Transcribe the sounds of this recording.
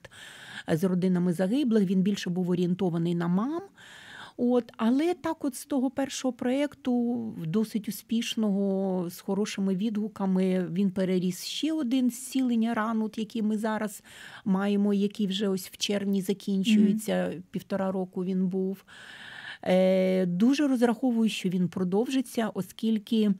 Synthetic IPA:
t̪zrɔd̪ɪnɐmɪzɐɦɪblˠɪxʋʲinbʲilʲʃɛbuwɔɾʲient̪ɔʋɐnɪjnɐmɑm | ot̪ɐlˠɛt̪ɑkɔt̪st̪ɔɦɔpɛrʃɔɦɔpɾɔɛkt̪ʊd̪ɔsɪtʲʊspʲiʃnɔɦɔz̥xɔɾɔʃɪmɪʋʲid̪ɦʊkɐmɪʋʲinpeɾeɾʲisʃt͡ʃɛɔd̪ɪnsʲt͡sʲilˠenʲːɐɾɑnʊt̪jɐkʲijmɪzɑɾɐz̥mɑjemɔijɐkʲijwʒɛɔsʲwt͡ʃɛrʋnʲizɐkʲinʲt͡ʃʊjet͡sʲːɐpʲiwt̪ɔɾɑɾɔkʊʋʲinbuw | d̪uʒɛɾɔzrɐxɔʋʊjʊʃt͡ʃɔʋʲinpɾɔd̪ɔwʒet͡sʲːɐʔɔskʲilʲkɪ

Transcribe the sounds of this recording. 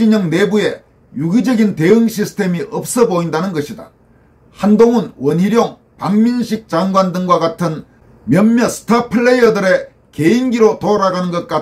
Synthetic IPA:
iɲʌŋne̞buje̞ | juɡid͡ʑʌɡinte̞ɯŋɕʰisʰɯ̥tʰe̞miʔʌp̚s͈ʌboindanɯnɡʌɕʰida̰ | handoŋɯnwʌnɦiɾjoŋ | paŋminɕʰik̚t͡ɕaŋɡwandɯŋɡwaɡatʰɯn | mjʌmmjʌsʰɯ̥tʰapʰɯɭːe̞jʌdɯɾe̞ | ke̞iŋɡiɾotoɾaɡanɯnɡʌt̚k͈a

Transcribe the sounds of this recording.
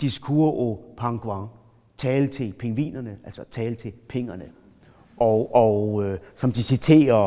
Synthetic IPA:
d̥iskʰuɐʔopʰɑ̈ŋɡ̥wɑ | t͡sʰɛːlt͡sʰe̝lpʰe̝ŋʋḭːnɐnəʔælsɒt͡sʰɛːlt͡sʰe̝lpʰe̝ŋɐnə | ʔɒɒsɒ̽md̥isit͡sʰe̝̰ːɐ

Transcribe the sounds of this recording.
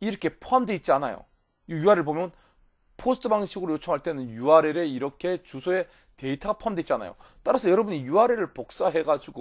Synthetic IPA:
iɾʌkʰe̞pʰoɦamde̞it̚t͡ɕ͈ianajo̰ | juɦaɾeɾɭbomjʌn | pʰosʰɯ̥tʰɯbaŋɕʰiɡɯɾojot͡ɕʰʌŋɦaɭt͈e̞nɯnjuaɾeɾe̞iɾʌkʰe̞t͡ɕusʰoe̞ | te̞itʰapʰoamdeit̚t͡ɕiana̰jo̰t͈aɾasʰʌjʌɾʌbuɲijuaɾe̞ɾɯɭpok̚s͈aɦe̞ɡad͡ʑuɡo

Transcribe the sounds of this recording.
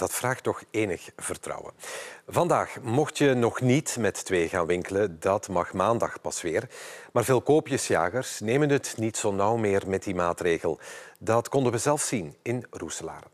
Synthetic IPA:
d̥ɑtfraːxtɔxeːnəxv̥ərtrɑ̰wə̰vɑndaːxmɔxtjənɔxnitmɛtːʋeːɣaːnʋɪŋkələdɑtmɑxmaːndɑxpɑsʋɪːrmaːrveːlˠkoːpjəsja̰ːɣərsneːmənɦətnitsoːnʌwmɪːrmɛt̚dimaːtreːɣəlˠdɑtkɔndəʋəzɛlˠfsinɪnrusəla̰ːɾən

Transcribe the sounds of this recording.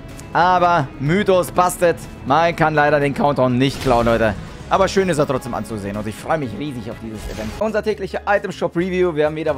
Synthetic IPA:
ʔaːbɐmyːtɔsb̥astət | mankanlaɪɾɐdeːnkʰaʊntɔnnɪçtkʰl̥aʊənhɔʏtə | ʔa̰ːbɐʃøːnɪstatʁ̥ɔt͡sd̥eːma̰nt͡suzeːənʊntɪçfʁ̥ɔʏəmɪçʁiːzɪçaʊfd̥iːzəsḭvɛntʔʊnzɐtʰɛːklɪçəʔaɪtəmʃɔpʁivjuːviːhaːmviːdɐ

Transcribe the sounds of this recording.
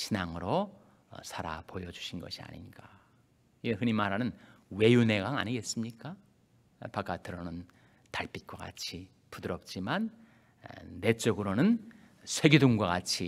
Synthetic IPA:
ɕʰinaŋɯɾo | sʰaɾa̰pojʌd͡ʑuɕʰinɡʌ̰ɕʰia̰ɲḭnɡa | jeɦɯnimaɾɦanɯnwe̞june̞ɡaŋa̰ɲiɡe̞s͈ɯmɲik͈a | pak͈atɯɾʌnɯn | taɭp͈it̚k͈waɡa̰t͡ɕʰi | pudɯɾʌp̚t͡ɕ͈iman | e̞t͡ɕ͈ʌɡɯɾonɯn | sʰwe̞ɡiduŋɡwaɡat͡ɕʰi

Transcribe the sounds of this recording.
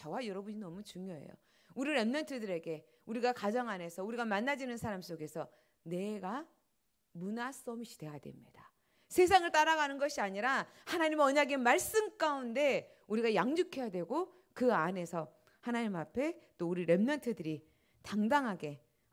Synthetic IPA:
t͡ɕʌwajʌɾʌbuɲinʌmɯnt͡ɕuŋjoḛjo̰ | uɾiɾe̞mnʌntʰɯdɯɾe̞ɡe̞ | uɾiɡakad͡ʑʌŋane̞sʰʌuɾiɡamanːad͡ʑinɯnsʰaɾams͈oɡe̞sʰʌ | ne̞ɡa | munas͈ʌmiɕʰi̥d̥e̞jadwe̞̰mɲid̥a | sʰe̞s̬ʰaŋɯɭt͈aɾaɣanɯnɡʌɕʰiaɲiɾa | hanaɲimeʌɲaɡemaɭs͈ɯmk͈aunde̞ | uɾiɡajaŋd͡ʑukʰe̞jadwe̞ɡo | kɯane̞sʰʌ | hanaɲimapʰe̞t͈ouɾiɾe̞mnʌntʰɯdɯɾi | taŋdaŋɦaɡe̞

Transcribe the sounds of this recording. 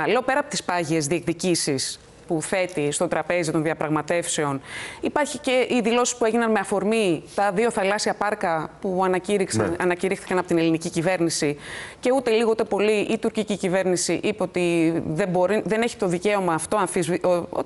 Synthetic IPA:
le̞o̞pe̞ɾɐːpot̪ispɐʝie̞zðie̞k̚t̪icisis | puθe̞t̪ist̪o̞t̪ɾɐpe̞zit̪o̞nðiɐpɾɐɣmɐt̪e̞fse̞o̞nipɐɾçice̞ʔiðilo̞si̥spue̞ʝinɐnme̞ɐfo̞ɾmit̪ɐðio̞θɐlɐsiɐpɐɾkɐpuɐnɐnɐciɾixθi̥kɐnɐpot̪ine̞linicicive̞ɾnisice̞ut̪eliɣo̞ut̪epo̞liʔit̪uɾcicicive̞ɾnisiʔipeot̪iðe̞bo̞ɾiðe̞ne̞çi̥t̪o̞ðice̞o̞mɐːft̪o̞ɐnfizio̰

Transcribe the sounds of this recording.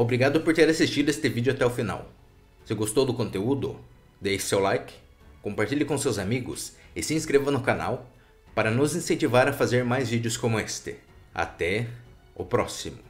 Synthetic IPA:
obɾiɡad̪ʊpʊɾt̪eɾasist͡ʃid̪ʊest̪ɪvid͡ʒʊat̪ɛʊfina̰w | sɪɡost̪owd̪ʊkõnt̪eud̪ʊ̰ | d̪ejʃsewlajkɪ̥ | kõmpaɾt͡ʃilɪkõsewzamiɡʊ̰sɪsɪĩskɾevɐnʊkana̰w | paɾɐnʊzĩsẽnt͡ʃivaɾɐfazeɾmajzvid͡ʒɪʊskõmʊest̪ɪ̰a̰t̪ɛ | ʊ̰pɾɔsimʊ

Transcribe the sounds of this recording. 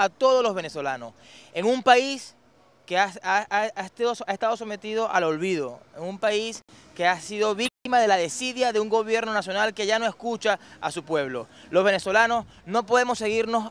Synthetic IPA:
at̪o̞ðoslo̞zβe̞neso̞lano̰s | e̞ŋumpais | kea | aest̪aðo̞s̬ome̞t̪ið̞o̞ʔalo̞lβiðo̞̰ḛŋumpaiske̞asiðo̞βik̚t̪imað̞e̞laðe̞siðjaðe̞uŋɡo̞β̞je̞ɾno̞nasjo̞nalkeʝano̞e̞skut͡ʃaasupwe̞β̞lo̞̰lo̞zβeneso̞lano̞s | no̞po̞ð̞e̞mosːe̞ɣiɾno̞s

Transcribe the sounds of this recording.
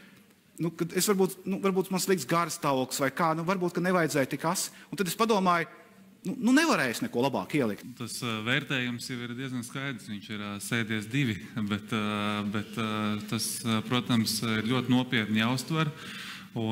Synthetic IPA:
nukad̪esvaɾbuːt̪nuvaɾbuːt̪manslˠikt̪sɡaɾst̪awksʋvajkaːnuvaɾbuːt̪̚kanɛvajd̪zɛːjt̪ikasunt̪ad̪espad̪uɔmaːj | nununɛvaɾɛːjsnɛkuɔlˠaba̰ːkiɛlˠikt̪t̪asvɛːɾt̪ɛːjumsjɛwiɾd̪iɛzɡanskajd̪ɾsʋiɲʲt͡ʃiɾsɛːd̪iɛsd̪iʋʲibɛt̪bɛt̪t̪aspɾuɔt̪amsiɾlʲuɔt̪ʲnuɔpiɛt̪nʲijawʊst̪vaɾ | u

